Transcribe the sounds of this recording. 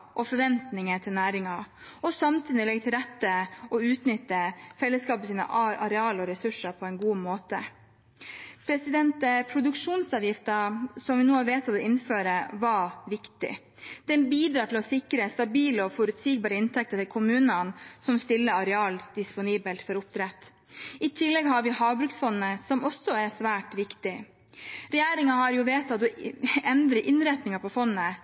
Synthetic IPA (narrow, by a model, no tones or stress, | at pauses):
ʔɔfɔɾʋɛnt̪nɪŋət̪ʰɪlnæːɾɪŋɑ | ɔsɑmt̪ʰyːnɪlɛɡ̚t̪ʰɪlɾɛt̪ːəɔʉːt̪nʏt̪ːəfɛlːəskɑːpəsiːnə̰ʔʔɑɾɛɑːlɔɾɛsʉʂəɾpʰɔɛɪnɡuːmoːt̪ə | pʰɾɛsɪd̪ɛnt̪əpʰɾʊd̪ʉkʂuːnsɑːʋjɪft̪əsɔmʋɪnuːɑʋeːt̪ʰɔʋ̪ɛlɪnføːɾəʋɑʋɪkt̪ɪ̰ | d̪̥ɛnbiːd̪ɾɑːʈʰɪlɔsɪkɾəst̪ɑbiːləɔfɔɾʉt̪siːɡ̚bɑːɾəɪnt̪ʰɛk̚t̪ət̪ʰɪlkʰʊmʉːnənsɔmst̪ɪlːəɑɾɛɑːld̪̥ɪspʊniːbəlt̪fɔɾʊp̚t̪ʰɾɛt̪ː | ɪt̪ʰɪlːɛɡɦɑɾʋɪhɑːʋbɾʉksfɔnːəsɔmɔsːɔæɾsʋæːʈʋɪkt̪ɪ | ɾɛjæːɾɪŋɑɦɑɾjʊʋeːt̪ɑt̪ɔɛnd̪ɾəʔɪnɾɛt̪nɪŋɑpʰɔfɔnːə